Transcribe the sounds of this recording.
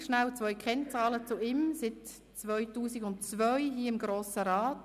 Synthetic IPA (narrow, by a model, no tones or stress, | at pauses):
ʃnalt͡svœʏkχɛnt͡sɑːlət͡sʊɪmsɪt | t͡svœʏtuːsɪɡʊntt͡svœʏɦiəɪmɡɾoːsəɾaːt